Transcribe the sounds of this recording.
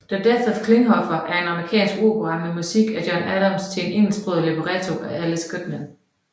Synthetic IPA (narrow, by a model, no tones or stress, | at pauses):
d̥æd̥eθəðkʰle̝ŋɦɒ̽fɐʔæɐe̝nɑ̈məʁikʰɛ̰ːnsɡ̥o̝ːpʰoʁɑ̈memusiɡ̥æd̥jɒnæɾɐmst͡sʰe̝ene̝ŋ̰l̩sb̥ʁøðˠleb̥əʁæt͡sʰo̝ʔææləsɡ̥ʁid̥mæn